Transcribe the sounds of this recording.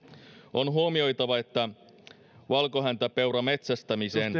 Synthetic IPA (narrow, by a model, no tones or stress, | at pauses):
o̞nɦuomio̞jt̪ɑʋɑe̞t̪ːæ | ʋɑlko̞ɦænt̪æpe̞wɾɑme̞t̪sæst̪æmiseːn